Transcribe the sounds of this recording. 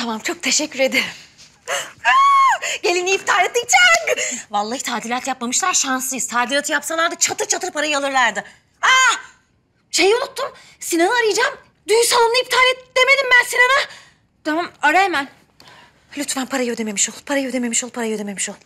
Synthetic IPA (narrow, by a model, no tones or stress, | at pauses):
t̪ʰamamt͡ʃʰo̞k̚t̪ʰe̞ʃɛcʰːyɾe̞d̪eɾm | ɟe̞lʲiniift̪ʰaːɾʲɛt̪̚ːit͡ʃʰæŋɡvalˠːaːhɯt̪ʰaːd̪ilʲaːt̪jap̚mamɯʃlˠaɾʃansˠɯjɯzt̪ʰaːd̪iɾat̪ʰɯjapsanlˠaɾd̪at͡ʃʰat̪ɯt͡ʃʰat̪ɯɾpʰaɾajɯalˠɯɾlʲˠæɾd̪ɪ | a | ʃejolˠut̪ʰːum | sinanɯaɾɯjd͡ʒaːm | d̪yjsanˠunɯift̪ʰaːɾʲɛtd̪e̞me̞d̪imbænsinanɯ | t̪ʰamamaɾɛmæn | lʲyt̪vænpʰaɾajød̪eme̞miʃolˠpʰaɾajø̞d̪eme̞miʃolˠpʰaɾajød̪e̞me̞miʃolˠ